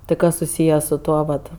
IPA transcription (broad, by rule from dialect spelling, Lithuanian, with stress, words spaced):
ˈtɐɪ ˈkɐs sʊˈsʲiːjɛ sʊ ˈtuɔ ʋɐt